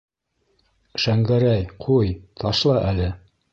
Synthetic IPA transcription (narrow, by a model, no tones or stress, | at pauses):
ʃæŋɡæɾæjqʰujt̪ʰɑʃlˠɑʔælɘ